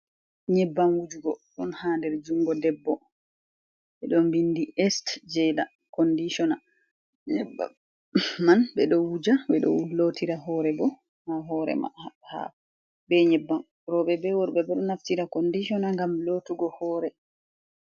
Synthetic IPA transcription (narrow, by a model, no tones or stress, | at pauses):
ɲɛbːamwud͡ʒuɡɔɗɔnhaːndɛɾd͡ʒuŋɡɔdɛbːɔ | ɓɛɗɔmbindiʔɛstd͡ʒɛla | kɔndiʃɔna | ɲɛba̰ | manbɛɗɔwud͡ʒaɓɛɗɔ̰lotiɾaɦɔːɾɛbɔ | haɦɔːɾɛ̰aha̰ | bɛɲɛbːam | ɾɔɓɛbɛwɔɾɓɛbɛɗɔnaftiɾakondiʃɔnaŋɡamlotuɡɔhɔːɾɛ